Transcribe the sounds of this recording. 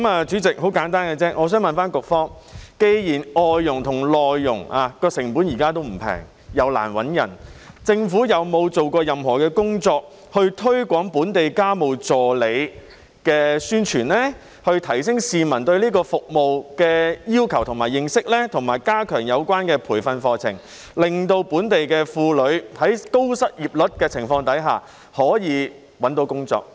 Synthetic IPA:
maː˨˧t͡ʃyː˨˥t͡sɪ˨k̚ho˨˥wkaː˨˥nt̪aː˥nkɛ˧t͡sɛː˥ʔɔː˨˧s̬œː˥ŋmɐ˨nfaː˥nkʊ˨k̚fɔː˥ŋ | ke˧jjiː˨˩nɔː˨jːʊ˨˩ŋt̪ʰʊ˨˩ŋlɔː˨jːʊ˨˩ŋaː˧kɔː˧sɪ˨˩ŋpuː˨˥njiː˨˩kaː˥t̪o˥wm̩˨˩pʰɛ̰ː˨˩ŋ | jɐ˨˧wla̰ː˨˩nwɐ˨˥njɐ̰˨˩n | t͡sɪ˧ŋfuː˨˥jɐ˨˧wmo˨˧wt͡so˨wkɔː˧jɐ˨mhɔː˨˩kɛː˧kʊ˥ŋt͡sɔː˧k̚ | hɵ˧ɥt̪ʰɵ˥ɥkʷɔː˨˥ŋpuː˨˥nt̪e˨jkaː˥mo˨wt͡sɔː˨˩le˨˧j | kɛː˧syː˥nt͡ʃʰyː˨˩nlɛː˥ | hɵ˧ɥt̪ʰɐ˨˩js̬ɪ˥ŋsiː˨mɐ˨˩nt̪ɵ˧ɥliː˥kɔː˧fʊ˨k̚mo˨˧wkɛː˧jiː˥wkʰɐ˨˩wt̪ʰʊ˨˩ŋmaː˨˩jɪ˨ŋsɪ˥k̚lɛː˥t̪ʰʊ˨˩ŋmaː˨˩jkaː˥kʰœː˨˩ŋjɐ˨˧wkʷaː˥nkɛː˧pʰuː˨˩jfɐ˧nfɔː˧t͡sʰɪ̰˨˩ŋ | lɪ˨˩ŋt̪o˧wpuː˨˥nt̪e˨jkɛː˧fuː˧lɵ˨˧ɥhɐ˨˥jko˥wsɐ˥t̚jiː˨˩p̚lɵ˨˥t̚kɛː˧t͡sʰɪ˨˩ŋfɔː˧ŋt̪ɐ˨˥jɦa̰ː˨ | hɔː˨˥jiː˨˧ | wɐ˨˥nt̪o˨˧˥wkʊ˥ŋt͡sɔ̰ː˧k̚

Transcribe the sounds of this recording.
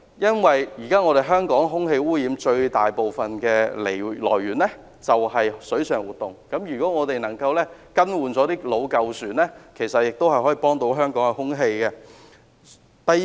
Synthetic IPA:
jɐ˥nwɐ˨jjiː˨˩kaː˥ŋɔ˨˧ɾe˨jɦœː˥ŋkɔː˨˥ŋɦʊ˥ŋɦe˧jwuː˥jiː˨˧˥mt͡ʃɵ˧ɥt̪aː˨˩jpo˨wfɐ˨nkɛː˧le˨˩lɔː˨˩jɥyː˨˩nlɛ˥ | t͡sɐ˨whɐ˨jsɵ˨˥ɥsœː˨˩ŋwuː˨t̪̚ʊ˨ŋkɐ˨˥mjyː˨˩kɔː˨˥ŋɔː˨˧t̪e˨jnɐ˨˩ŋkɐ˧wlɛ˥kɐ˥nwuː˨nt͡sɔː˨˥t̪iː˥lo˨˧wkɐ˧wsyː˨nlɛː˥kʰe˨˩jsɐ˨t̚jɪ˨k̚t̪o˥whɐ˨jhɔ˨˥ji˨˧˥pɔː˥ŋt̪o˧˥wɦœː˥ŋkɔː˨˥ŋɛ˧hʊ˥ŋɦe˧jkɛ˧ | t̪ɐ˨j

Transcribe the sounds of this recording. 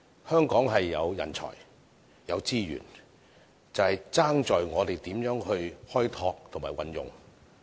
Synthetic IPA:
hœː˥ŋkɔː˨˥ŋɦɐ˨jːɐ˨˧wjɐ̰˨˩nt͡sʰɔ̰ː˨˩j | jɐ˨˧wt͡siː˥jy̰ː˨˩n | t͡sɐ˨whɐ˨jt͡saː˥ŋt͡ʃɔː˨jŋɔː˨˧t̪e˨jt̪iː˨˥mjœː˨˥ŋhɵ˧ɥhɔː˥jt̪ʰɔː˧k̚t̪ʰŋmaː˨˩jwɐ̰˨njʊ̰˨ŋ

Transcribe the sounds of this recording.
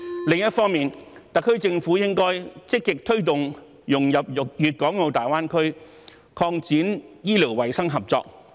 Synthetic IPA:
lɪ˨ŋjɐ˥t̚fɔː˥ŋmiː˨nt̪ɐ˨kʰːɵ˥ɥt͡sɪ˧ŋfuː˨˥jɪ˥ŋkɔː˥jt͡sɪ˥kːɪ˨k̚t̪ʰɵ˥ɥt̪ʊ˨ŋ | jʊ˨˩ŋjɐ˨p̚ʊ˨k̚jyː˨t̚kɔː˨˥ŋo˨˧wt̪aː˨jwaː˥nkʰɵ˥ɥ | kʰɔː˧ŋt͡siː˨˥njiː˥liː˨˩wwɐ˨˩jsɐ˥ŋɦɐ˨p̚t͡sɔ̰ː˧k̚

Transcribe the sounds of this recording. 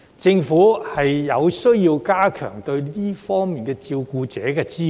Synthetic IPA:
t͡sɪ˧ŋfuː˨˥hɐ˨jjɐ˨˧wsɵ˥jiː˧wkaː˥kʰœ̰ː˨˩ŋt̪ɵ˧ɥliː˥fɔː˥ŋmiː˨nkɛː˧t͡siː˧wkuː˧t͡sɛ̰ː˨˥kɛː˧t͡siː˥

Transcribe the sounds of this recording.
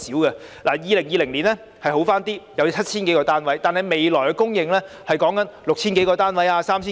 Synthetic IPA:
siː˨˥wɡɐ˧laː˨˩jiː˨˧lɪ˨˩ŋjiː˨˧lɪ˨˩ŋliː˨˩nɛ˥ | hɐ˨jho˨˥wfaː˥nt̪iː˥jɐ˨˧wt͡sʰɐ˥t̚t͡sʰiː˥nke˨˥jkɔː˧t̪aː˥nwɐ˨˥jt̪aː˨nhɐ˨˩jme˨jlɔː˨˩jkɛ˧kʊ˥ŋjɪ˨ŋlɛ˥ | hɐ˨jkɔː˨˥ŋkɐ˨˥nlʊ˨k̚t͡sʰiː˥nk̬e˨˥jkɔː˧t̪aː˥nwɐ˨˥jaː˧saː˥mt͡ɕʰiː˥

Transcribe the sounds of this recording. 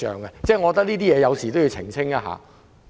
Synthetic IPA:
œ̰ː˨ŋɡɛ˧t͡sɛː˥˩ŋɔ˧ɔ˧t̪ɐ˥kniː˥t̪iː˥jɛː˨˧jɐ˨˧wsiː˨˩t̪o˥wji˧wt͡sʰɪ̰˨˩ŋt͡sʰɪ˥ŋaː˧ɦa̰ː˨˥

